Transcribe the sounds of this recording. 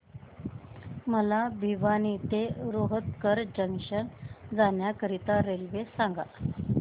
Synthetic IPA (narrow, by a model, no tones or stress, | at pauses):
məlabʱiʋanit̪eɾoɦət̪kəɾd͡ʑəŋkʂənd͡zanjakəɾit̪aɾelʋesaŋɡa̰